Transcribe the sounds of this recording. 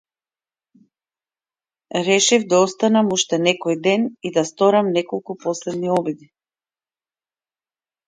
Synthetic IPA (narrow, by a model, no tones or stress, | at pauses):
ɾɛʃivd̪aɔst̪anamuʃt̪ɛnɛkɔjd̪ɛnid̪ast̪ɔɾamnɛkɔlˠkupɔslɛd̪niɔbid̪i